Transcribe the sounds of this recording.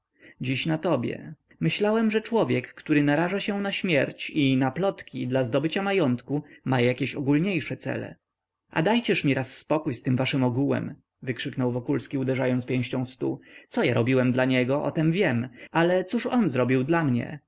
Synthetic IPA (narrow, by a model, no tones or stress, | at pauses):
d͡ʑiɕnat̪ɔbʲjɛ̰ | mɘɕlawɛmʐɛt͡ʂwɔvʲjɛkːt̪uɾɘnaɾaʐaɕɛ̃naɕmʲjɛɾt͡ɕinaplɔt̪kʲid̪lazd̪ɔbɘt͡ɕamajɔnt̪kumajakʲeɕɔɡulɲejʂɛt̪sɛ̰lɛ̰ | ʔa̰d̪ajt͡ɕɛʂmʲiɾasːpɔkujst̪ɘmvaʂɘmɔɡuwɛ̰m | vɘkʂɘknɔwvɔkulskʲiud̪ɛʐajɔnt̪pʲjẽw̃ɕt͡ɕɔ̃w̃fst̪ṵt̪ɔjaɾʔɔbʲiwɛmd̪laɲɛɡɔʔɔ̰t̪ɛmvʲjɛmalɛt̪suʂɔnzɾɔbʲiwd̪lamɲɛ̰